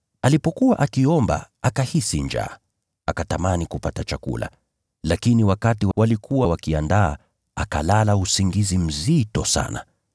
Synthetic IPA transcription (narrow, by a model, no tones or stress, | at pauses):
alipɔkuwaʔakiɔmba̰ | akahisiɲd͡ʒa̰ː | akatamanikupatat͡ʃakṵlʔa̰ | lakiniwakatiwwalikuwawakiandaː | aka̰lalausiŋɡizim̩zitɔsa̰na